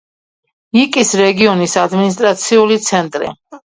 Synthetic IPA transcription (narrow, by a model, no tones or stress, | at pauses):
ikʼisɾɛɡiɔnisad̪minis̬t̪ʼɾat̪sʰiulit̪sʰɛnt̪ʼɾḭ